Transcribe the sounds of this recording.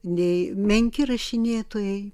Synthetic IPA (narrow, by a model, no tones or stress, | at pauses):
nʲɛɪmʲɛŋʲkʲɪrɐʃʲɪnʲeːt̪oːjɛɪ